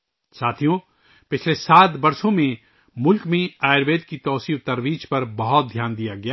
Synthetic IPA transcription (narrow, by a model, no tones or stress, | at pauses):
saːt̪ʰijõ | pɪt͡ʃʰlesaːt̪bɐɾsõmẽ | mʊlkmẽaːɾbeːd̪̚kit̪ɔːsiːt̪ɐɾʋiːd͡ʒpɐɾbɐɦʊt̪̚d̪ʱjaːnd̪ijaɡɐjaː